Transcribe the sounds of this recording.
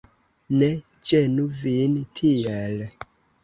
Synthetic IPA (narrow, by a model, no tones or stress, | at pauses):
ne | d͡ʒenuvintʰiel